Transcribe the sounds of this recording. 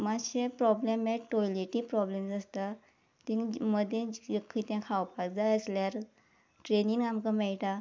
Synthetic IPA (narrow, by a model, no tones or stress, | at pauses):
maɕẽpɾɔblemːɛʈojleʈĩpɾɔblemd͡zast̪a | t̪ĩŋməd̪ʱːjẽkʰit̪jãkʰawpakd͡zaəsljaɾ | ʈɾeniŋamkamɛɭʈ̪a